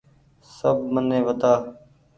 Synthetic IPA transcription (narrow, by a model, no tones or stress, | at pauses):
səb̚mənːẽːʋət̪aː